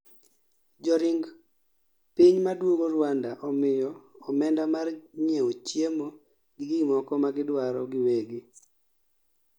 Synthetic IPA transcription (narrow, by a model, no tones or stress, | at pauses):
d͡ʒɔɾɪŋɡ | piɲmadwoŋoɾwandaʔɔmɪjɔɔmɛndamarɲeot͡ʃjemo | ɡɪɡimɔkɔmaɡɪdwaɾɔ̰ɡɪweɡɪ